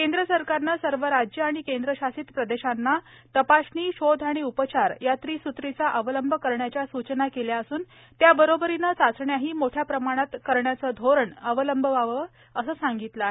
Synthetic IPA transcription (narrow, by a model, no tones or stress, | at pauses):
kend̪ɾəsəɾkaɾnasəɾʋəɾad͡ʑjəaɽ̃ikend̪ɾəɕasiːt̪pɾəd̪eɕanːat̪əpaɕniːɕod̪ʱaɽ̃iupət͡ɕaɾjat̪ɾiːsut̪ɾit͡saʔəʋələmbʱəkəɾɳjat͡ɕjasut͡ɕnakeljaəsuːn | t̪jabəɾobəɾinat͡sat͡sɳjaɦiːmoʈʰjapɾəmaɽ̃at̪kəɾɳjat͡səːd̪ʱoɾəɳəʋələmbʱəʋaʋə | əsəːsaŋɡit̪la